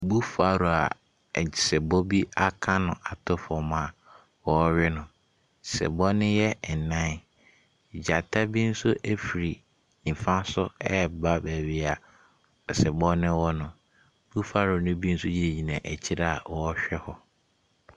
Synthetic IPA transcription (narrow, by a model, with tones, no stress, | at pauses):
bu˦fa˨ɾo˨a̰˨ | t͡ɕɪ˨sɛ˨bo˦bi˦a˦kʰã˦nʊ̃˨ʔa˨tʰʊ˦fɔ˨mã˨ | wɔ˦ɥɪ˦nʊ̃˨ | sɛ̰˨bɔ˦nɪ̃˦jɛ˦˨nã˦n˦˨ | d͡ʑa˨tʰa˦bi˦n̩˦sʊ˦ʔæ˦fi˨ɾi˨ | m̩˨fã˦sʊ˦ɛ˦˨ba˦bæ˨ɥi˦a˨ | sɛ˨bɔ˦nɪ̃˦wɔ˦nʊ̃˨ | b̥u˦fa˦ɾʊ˨nʊ̃˦bi˦n̩˦sʊ˦d͡ʑi˦e˨ɲĩ˨nã˨ʔæ˨t͡ɕʰi˦ɾa˦a˨wɔ˦ɕᶣɛ˦hɔ˦